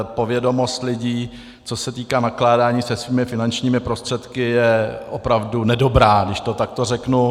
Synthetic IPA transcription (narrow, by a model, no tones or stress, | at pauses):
po̞vjɛdo̞mo̞st̪lɪɟiː | t͡so̞sɛt̪iːkaːnaklaːdaːɲiːsɛsviːmɪfɪnant͡ʃɲiːmɪpɾo̞st̪r̝̥ɛt̪kɪjɛʔopɾavdunɛdo̞bɾaːɡdɪʃt̪o̞t̪ak̚t̪orɛknu